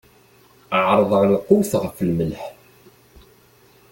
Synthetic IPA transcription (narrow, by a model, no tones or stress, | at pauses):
ʕɾˤðˤəʁlqːʊwθʁəflməlħ